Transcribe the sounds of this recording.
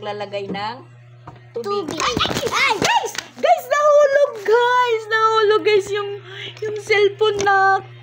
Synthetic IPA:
ɡlaːlɐɡajnɐŋ | t̪ʊt̪uiaaajɡajsɡajsnɐhuːloɡɡajsnɐhuːloɡajsjʊŋjʊŋsɛlponːɐ

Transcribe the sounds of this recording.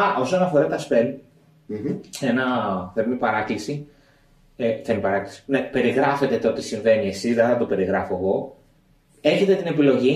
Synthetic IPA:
ɐʔo̞sonɐfo̞ɾɐt̪ɐspen | enɐθeɾmipɐɾɐklisi | eθemipɐɾɐklisi̥nepe̞ɾiɣɾɐfe̞t̪et̪o̞t̪isiɱve̞niesizðeθɐt̪ope̞ɾiɣɾɐfoeɣo̞ | e̞çe̞t̪e̞t̪ine̞pilo̞ʝi

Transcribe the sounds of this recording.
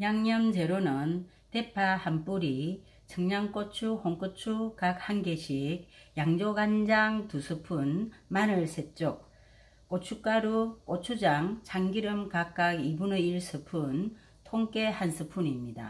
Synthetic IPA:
jaŋɲʌnd͡ʑe̞ɾonɯn | tepʰahamp͈uɾi | t͡ɕɯŋɲaŋk͈ot͡ɕʰuhoŋk͈ot͡ɕʰukak̚hanɡeɕʰik̚jaŋd͡ʑoɡand͡ʑaŋtusʰɯpʰunmanɯɭsʰet͡ɕ͈ok͈̚ | ot͡ɕʰuk͈aɾuk͈ot͡ɕʰud͡ʑaŋt͡ɕaŋɡiɾɯmkak͈aɡibunɯiɭsʰɯpʰun | tʰoŋk͈e̞hansʰɯpʰunimɲida̰

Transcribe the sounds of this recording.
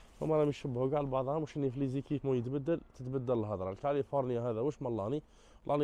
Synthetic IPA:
ʔæ̰mæɾæmiʃəbːhuɡaʕlbɑʕðˤhæmuʃʔənːiflizikifmujət̪bæd̪ːəlt̪ət̪bæd̪ːæləlɦɑd̪ˤɾˤɑlkælifoɾnjaɦædðæwəʃmɑlːɑni | lʔɑn

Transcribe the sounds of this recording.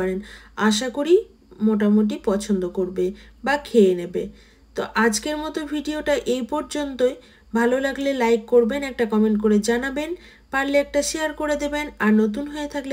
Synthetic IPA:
aɾenaʃ̬akoɾi | moʈ̬amoʈ̬ipɔt͡ɕʰond̪okoɾbebakʰeenebe | t̪oʔad͡ʑkeɾmɔt̪obʱiɖioʈaʔejpɔɾd͡ʑont̪oe | bʱalolaɡlelajkːoɾbenɛk̚ʈakɔmeɳʈkoɾed͡ʑanaben | paɾleɛk̚ʈaʃeaɾkoɾed̪ebenaɾnot̪̬unɦoet̪ʰakle

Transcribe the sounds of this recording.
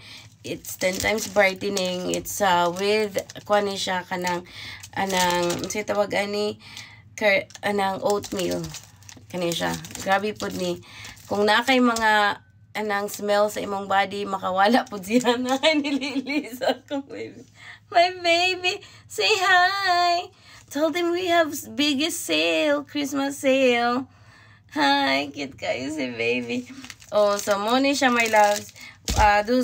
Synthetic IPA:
ʔɪt̪st̪ɛnt̪ajmsbajt̪ɪnɪŋɪ̰t̪sawɪðkwaniʃakɐnaŋʔɐnaŋmsɐjt̪ɐwaɡani | kɐɐnaŋʔowt̪̚mil | kɐnɛʃa̰ɡɾaːbipʊd̪̚nikʊŋnakɐjmɐŋa | ʔɐnaŋsmɛlsɐʔɪmoŋbaːd̪ɪmɐkɐwaːlaʔpʊd̪sɪanajnɪlilisakʊɪmɐjbejbi | sejhaj | t̪ʰɛlˠd̪hɛmwihavbɪɡɪst̪selkɹɪsmɐsːejl | hajkɪd̪̚kajos̬ɪbejbiʔosomonɪʃamajlavsʔad̪u

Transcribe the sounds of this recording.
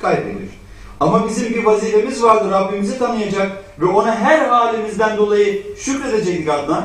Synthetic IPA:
kʰajpḛlʲḭɾ̥ | amabizimɟivaziːfemizvaɾd̪ɯɾabːimizit̪ʰanɯjad͡ʒakvɛo̞naɦæɾɦaːlʲimizd̪ænd̪o̞lˠajɯʃycɾe̞d̪ed͡ʒɛcd̪ikad̪na

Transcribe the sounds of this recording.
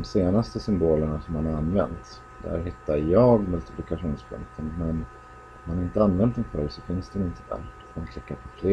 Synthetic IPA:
mseːnast̪əsʏmboːləɳasɔmhanaɾanːvɛ̰nt̪ | d̪̥æ̰ɾɦɪt̪ːaɾjɑːɡmɵlt̪ɪpʰlɪkaɧuːnspʰlɵ̰ŋkt̪ʰənmɛn | manaɾɪnt̪əanvɛnt̪̚ːɛnfœlsɔfɪnsd̪ɛnɪnt̪əd̪æ̰ɾ | mankʰlɪkːaɾpʰɔfleː

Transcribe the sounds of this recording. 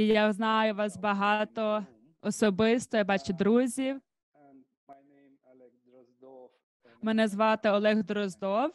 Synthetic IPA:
jaznɑjʊʋɑsbɐɦɑt̪ɔ | ɔsɔbɪst̪ɔjabɑt͡ʃʊd̪ɾuzʲiw | mɛnɛzʋɑt̪eɔlˠɛɣd̪ɾɔzd̪ɔw

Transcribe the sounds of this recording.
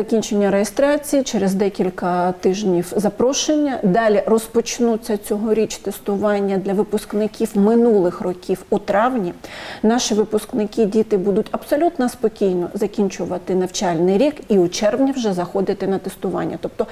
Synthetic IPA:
zɐkʲinʲt͡ʃenʲːɐɾejest̪ɾɑt͡sʲijit͡ʃeɾezd̪ɛkʲilʲkɐt̪ɪʒnʲiwzɐpɾɔʃenʲːɐd̪ɑlʲirɔspɔt͡ʃnut͡sʲːɐt͡sʲɔɦɔɾʲit͡ʃt̪est̪ʊʋɑnʲːɐd̪lʲɐʋɪpʊsknɪkʲiwmɪnulˠɪxrɔkʲiwut̪ɾɑwnʲinɑʃiʋɪpʊsknɪkɪdʲit̪ɪbud̪ʊtʲɐbsɔlʲut̪nɐspɔkʲijnɔ̰zɐkʲinʲt͡ʃʊʋɐt̪ɪnɐwt͡ʃɑlʲnɪjɾʲikiʊt͡ʃɛrʋnʲiwʒɛzɐxɔd̪ɪt̪ɪnɐt̪est̪ʊʋɑ̰nʲːɐ̰t̪ɔp̚t̪ɔ

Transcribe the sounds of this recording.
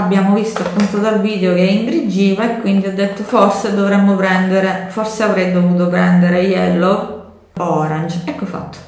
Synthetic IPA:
abːjaːmovist̪oapːunt̪od̪alviːd̪eokeiŋɡɾid͡ʒːiːvaekːwind̪iɔd̪ːet̪ːoforsed̪ovɾemːopɾɛnd̪eɾeforseavɾɛjd̪ovuːt̪̬opɾɛnd̪eɾejɛlːo | ɔɾand͡ʒɛkːofa̰t̪ːo̥

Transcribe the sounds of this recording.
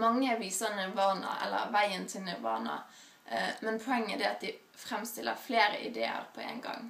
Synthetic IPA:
mɑŋːəʋiːsɑnəʋɑːnɑ̰ʔɛ̰lːə̰ɾʋæɪənt̪ʰɪnəʋɑ̰ːnɑ̰ | mɛnpʰɔɛŋːəd̪ɛɑt̪̚d̪ɪ | fɾɛmst̪ɪlːəfleːɾəʔɪd̪ḛːə̰ɾpʰɔḛɪnɡɑ̰ŋ

